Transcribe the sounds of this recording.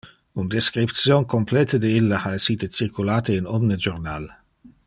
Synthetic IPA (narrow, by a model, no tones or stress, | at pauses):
und̪eskɾip̚t̪sjonkomplɛt̪əd̪eilːaaesiːt̪et͡sirkulaːt̪einɔmned͡ʒornal